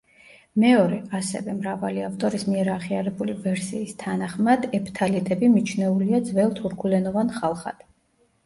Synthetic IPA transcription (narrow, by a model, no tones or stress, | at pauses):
mɛɔɾɛasɛ̰vɛmɾavaliavt̪ʼɔɾismiɛɾaʁiaɾɛbulivɛɾsiːst̪ʰanaχmad̪ɛpʰt̪ʰalit̪ʼɛbimit͡ʃʰnɛuliad̪zvɛlˠt̪ʰuɾkʰulɛnɔvanχalˠχa̰d̪̥